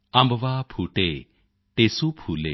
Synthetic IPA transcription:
ɐmbʋapʰuːʈe | ʈeːsupʰuːlḛː

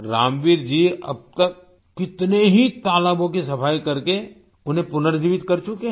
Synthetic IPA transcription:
ɾaːmʋiɾd͡ʒiɐ̰b̚t̪ɐkː | ɪt̪neɦit̪aːləbõkisɐpʰaːjkɐɾke | ʊnɦẽpʊnəɾd͡ʒiːʋɪt̪kɐɾt͡ʃʊke

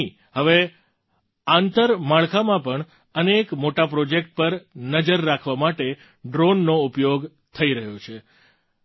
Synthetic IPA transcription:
ɦəʋe | ant̪əɾmaɭkʰamãpəɳ | ənekmoʈapɾod͡ʒek̚ʈ̚pəɾnəd͡ʒəɾːakʰʋamaʈe | ɖɾonːoupjoɡ | t̪ʰəiɾəɦjot͡ʃʰe

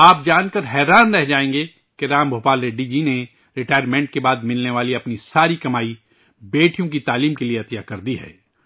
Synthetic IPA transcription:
aːp̚d͡ʒaːnkɐɾɦɛːɾaːnɾɛɦd͡ʒaːẽːŋɡe | keɾaːmbʱoːpaːlɾeɖid͡ʒine | ɾɪʈaːjəɾmẽːɳʈ̚kebaːd̪mɪlneʋaːliɐpnisaːɾikɐmaːi | beːʈʰijõk̬it̪aːliːmkelieɐt̪jakɐɾd̪iɦɛ̰ː

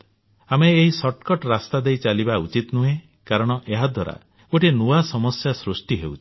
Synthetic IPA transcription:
ameːɦisɔʈkɔʈɾast̪ad̪ejt͡ʃalibaut͡ʃit̪nuɦẽ | kaɾɔɽ̃ɔʔeɦad̪ʱwaɾa̰ | oʈenuasɔmɔsjasɾusʈiɦewt͡ʃʰi̥

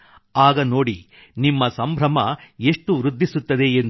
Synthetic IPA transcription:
aːɡɐno̞ːɽi | nimːɐsɐmbʱɾɐmɐe̞ʂʈuʋɾud̪ʱːisut̪ːɐd̪e̞en

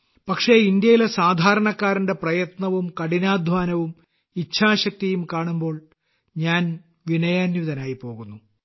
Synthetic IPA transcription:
pɐkʂe̞ind̪jɐjilesaːd̪ʱaːɾɐɳɐkːaːɾinde̞prɐjɐt̪nɐʋumkɐɽinaːd̪ʱʋaːnɐʋum | it͡ɕʰːaːɕɐk̚t̪ijumkaːɳumbo̞ːɭ | ɲaːn | ʋinɐjaːnjuʋiðɐnaːjipo̞ːɣunːu

